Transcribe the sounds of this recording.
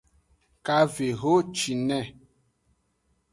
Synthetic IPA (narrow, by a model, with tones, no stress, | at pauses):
ka˦ve˨ɦo˦t͡ʃi˨nɛ˦˨